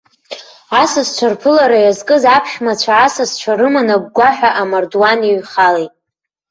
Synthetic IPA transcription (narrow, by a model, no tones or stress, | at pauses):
asast͡ɕʷʰarpʰɨlaɾajazkʼɨzapʰʃmat͡ɕʷʰaːsast͡ʃʷʰaɾɨmanaɡ̚ʷɡʷaħᶣaʔamardwaniɥχalejtʼ